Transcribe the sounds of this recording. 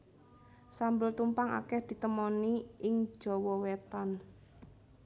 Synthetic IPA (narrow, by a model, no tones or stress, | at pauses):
sambʊlt̪umpaŋa̰kɛhd̪̥i̤t̪əmɔniɪŋ̥d͡ʒ̥ɔ̤wɔwet̪an